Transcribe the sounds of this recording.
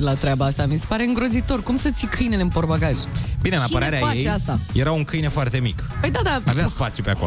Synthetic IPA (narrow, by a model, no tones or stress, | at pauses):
elat̪ɾʲeabaast̪amisepaɾe̞ɨŋɡɾo̞zit̪o̞rkumsət̪sikʰɨjne̞leɨmporbaɡaʒbinenapəaaɾeajaet͡ʃjeast̪ajeɾauŋkɨjnefoart̪e̞mik | pəjd̪ad̪aaveaspat̪sjupeakolo